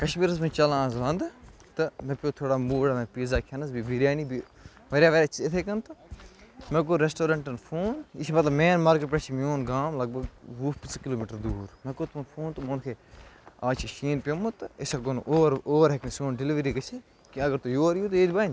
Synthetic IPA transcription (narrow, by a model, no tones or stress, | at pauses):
kɐʃmiːɾəs̬mẽt͡ʃɐlãːzʋɐ̃nd̪t̪ɨmẽːpʲjoːt̪ʰoːɽaːmuːɽamẽːpiːzaːkʰɐnɐs̬bibiɾjaːniːbi | ʋɐɾjaːʋɐɾjaːt͡ʃʰɪt̪ʰeːkɐnt̪o | mẽːk̬oɾesʈoːɾɐ̃ɳʈɐnpʰoːnɪsmɐt̪ləbmeːnmaːɾkəʈpet͡ʃʰimoːnɡaːmlɐɡ̚bɐɡuːfpɪt͡skɪloːmiːʈəɾd̪uːɾmẽːkot̪unpʰoːnt̪omonkʰeːaːt͡ʃʰiʃiːnpʲjomot̪ɨɪsakonːɾoːʋɾɦekʰmisoːnɖɪliʋɾiːkɐt͡ʃʰi | kiɐɡəɾt̪ujoːɐɾjoːt̪ːeːd̪ʲbaːn